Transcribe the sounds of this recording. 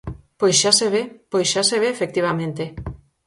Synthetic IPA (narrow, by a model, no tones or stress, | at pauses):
pojsʃaseβ̞epojsʃaseβ̞eːfek̚t̪iβ̞amẽnt̪e